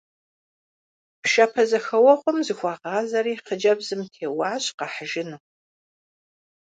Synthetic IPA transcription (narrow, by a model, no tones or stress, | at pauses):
pʃɐpʰɐzɐxɐwɐχʷʊmzɨxʷɑːqɑːzɐɾiːχəd͡ʒɐbzɨmtʰeːwɑːɕqɑħəʒɪnɨ